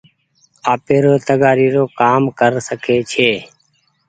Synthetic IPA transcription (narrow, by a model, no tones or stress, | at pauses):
aːpeːɾoːt̪əɡaːɾiːɾoːkaːmkəɾsəkʰeːt͡ʃʰeː